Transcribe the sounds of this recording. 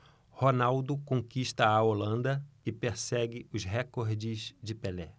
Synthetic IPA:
honawd̪ʊkõkiʃt̪ɐːolɐ̃nd̪ɐɪpeɾsɛɡɪʊzɦekoɾd͡ʒɪzd͡ʒɪpelɛ

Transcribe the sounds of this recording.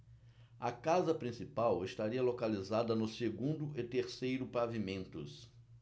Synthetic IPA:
ɐkazɐpɾĩsipawɪst̪aɾiɐlokalizad̪ɐnʊseɡũnd̪ʊɪt̪eɾsejɾʊpavimẽnt̪ʊ̰s

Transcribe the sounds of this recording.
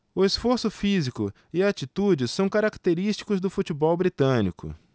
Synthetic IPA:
ʊesfoɾsʊfizikʊ | ɪat͡ʃit̪ud͡ʒɪsɐ̃w̃kaɾakt̪eɾist͡ʃi̥kʊzd̪ʊfut͡ʃibɔwbɾit̪ɐ̃nḭkʊ̰

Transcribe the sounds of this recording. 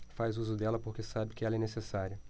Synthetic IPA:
fazuzʊd̪ɛlɐpoɾkesabɪkɪɛlɐɛnesesaɾiɐ

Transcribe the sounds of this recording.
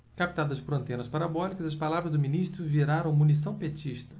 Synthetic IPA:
kapi̥t̪ad̪ɐd͡ʒɪpʊɾɐ̃nt̪ẽnɐspaɾabɔlikɐzɐspalavɾɐzd̪ʊminiʃt̪ɾʊviɾaɾɐ̃w̃munis̬ɐ̃w̃pet͡ʃiʃt̪ɐ̥

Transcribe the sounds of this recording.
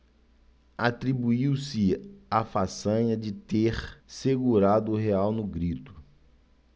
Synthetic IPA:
at̪ɾibuiwsɪafasɐ̃ɲɐd͡ʒɪt̪eɾseɡuɾad̪ʊːɦeawnʊɡɾit̪ʊ̥

